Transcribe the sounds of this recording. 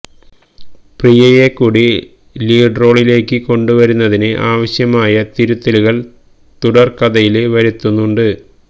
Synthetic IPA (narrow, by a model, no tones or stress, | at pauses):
prijɐjekːuːɽi | liːɖro̞ːɭile̞ːkːɨko̞ɳɖuʋɐɾunːɐðinɨʔaːʋɐɕjɐmaːjɐt̪iɾut̪ːɐluɣɐɭ | t̪uɽɐrkɐðɐjilʋɐɾit̪ːunːuɳɖɨ